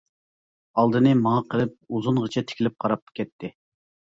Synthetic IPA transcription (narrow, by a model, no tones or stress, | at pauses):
ɑlˠd̪ɨnɨmɑŋɑqʰəlˠɪp̚uzunʁət͡ʃʰɛt̪ʰɪ̥kʲʰilɪp̚qʰɑɾɑp̚kʲɛt̪ʰːɪ